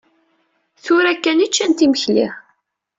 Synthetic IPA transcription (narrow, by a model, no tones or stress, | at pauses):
θʊɾækːænit͡ʃːænt̪iməçlḭʁ